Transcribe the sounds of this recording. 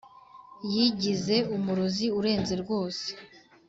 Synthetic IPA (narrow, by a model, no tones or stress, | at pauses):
jiɟize̞umuɾoziuɾe̞ːnze̞ɾɡo̞ːse̥